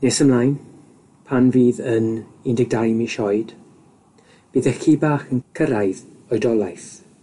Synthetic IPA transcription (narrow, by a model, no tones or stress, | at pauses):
nesəmlajn | pʰanviːðənɪndɪɡ̚dajmiʃɔɨd̥ | b̥iːðəxiːbaːxənkʰəɾajð | ɔɨdɔlˠajθ